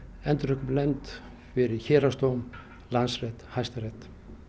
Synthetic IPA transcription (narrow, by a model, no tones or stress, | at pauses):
ɛnt̪rʏkmlɛmt̪ | fɪɾɪçɛːɾast̪owm | lansrɛt̪hajst̪arɛt̪